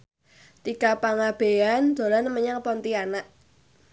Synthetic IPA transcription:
t̪ikapaŋab̥e̤and̪̥o̤ɾanməɲaŋpɔnt̪ianaʔ

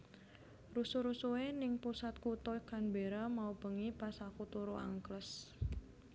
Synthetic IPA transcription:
rusuɾusuwenɪŋpusat̪̚kut̪ɔjkanbeɾamaub̥əŋipasakut̪uɾuʔa̰ŋkləs

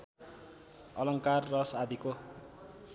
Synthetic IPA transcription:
ʌlʌŋkarːʌsad̪ʱiko

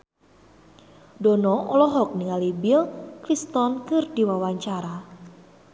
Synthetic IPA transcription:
dɔnɔʔɔlɔɦɔk̚niŋalibilkɾist̪ɔnkɨrdiwawaɲt͡ʃaɾa

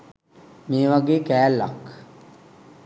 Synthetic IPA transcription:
meːʋaɡeːkɛːlːa̰k

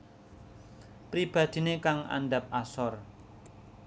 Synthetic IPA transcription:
pɾib̥a̤d̪̥i̤nekaŋa̰nɖap̚ʔasɔr

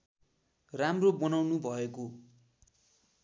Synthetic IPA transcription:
ramrobʌnawnubʱʌeko

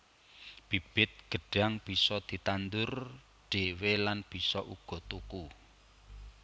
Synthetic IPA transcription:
b̥i̤b̥ɪt̪̚ɡ̥ə̤ɖ̥aŋb̥i̤sɔd̪̥i̤t̪and̪ʊr | ɖ̥ewelanb̥i̤sɔʔuɡ̥ɔ̤t̪uku

